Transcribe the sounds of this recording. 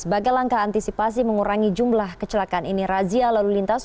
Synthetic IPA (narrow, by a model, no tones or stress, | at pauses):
səbaɡajlaŋkaːnt̪isipas̬iməŋuɾaŋid͡ʒumlahkət͡ʃəlakaniniɾazialalulint̪as